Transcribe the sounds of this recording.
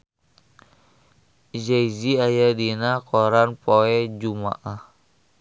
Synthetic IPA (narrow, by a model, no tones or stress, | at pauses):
d͡ʒajziajadinakoɾanpoɛd͡ʒuma̰ʔah